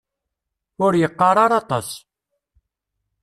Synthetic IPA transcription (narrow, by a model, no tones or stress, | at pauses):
ʊɾjəqːɑɾˤɑɾˤɑt̪ˤɑs